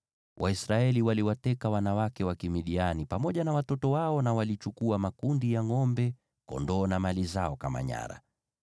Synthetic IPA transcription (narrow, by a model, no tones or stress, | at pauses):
wʔaisɾaɛliwaliwatɛkawanawakɛwakimiɗianipamɔʄanawatɔtɔwaɔnawalit͡ʃukuamakundijaŋɔmbɛ | kɔ̰ndɔːnamalizaɔkama̰ɲa̰ɾa̰